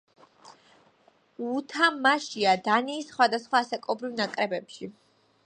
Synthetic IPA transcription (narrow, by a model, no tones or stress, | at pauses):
ut̪ʰamaʃiad̪aniːsχwad̪asχwaːsakʼɔbɾivnakʼɾɛbɛpʃi